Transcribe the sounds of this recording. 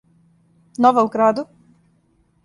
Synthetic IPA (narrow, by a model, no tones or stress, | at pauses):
noʋaukɾaːd̪u